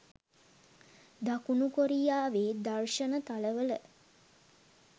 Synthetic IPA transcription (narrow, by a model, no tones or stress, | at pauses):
d̪akunukoɾijaːʋeːd̪arʃənət̪aləʋələ